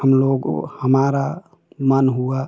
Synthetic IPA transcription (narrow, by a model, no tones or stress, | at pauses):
əmloɡ̰həmaɾa | manɦua